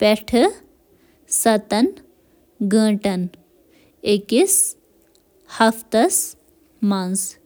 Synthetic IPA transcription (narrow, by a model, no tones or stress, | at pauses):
pɛʈʰɨ | sɐt̪ɐn | ɡə̃ːʈɐn | ekis | hɐft̪ɐs | mans